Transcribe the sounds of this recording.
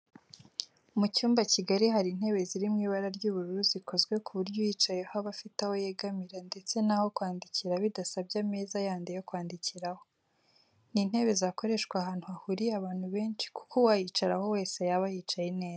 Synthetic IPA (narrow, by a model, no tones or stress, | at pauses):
umucuːmbaciɡaɾiɦaɾin̥he̞βe̞ziɾimŋiːβaɾaɾɟuːβuɾuɾuzikʰo̞zɡwe̞kuβuɾɟojiːt͡ʃaje̞haβafitaho̞jeɡamiɾande̞t͡se̞naho̞kwaːndiciɾaβidasabɟameːzajaːndijo̞kwaːndiciɾaho̞ | nin̥he̞βe̞zako̞ɾe̞ʃkwahaːn̥huahuɾiaβaːn̥huβe̞ːnt͡ʃi̥ku̥kʰowajit͡ʃaɾaho̞we̞ːse̞jaβajit͡ʃajene̞ːza